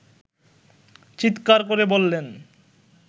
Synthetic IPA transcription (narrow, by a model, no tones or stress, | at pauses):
t͡ɕit̪kaɾkoɾebolːen